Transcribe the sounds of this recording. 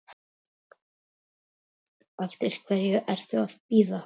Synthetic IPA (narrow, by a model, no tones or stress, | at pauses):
ɛft̪ɪɾ̥kʰvɛɾjɛʔɛɾ̥θʏaðpiːða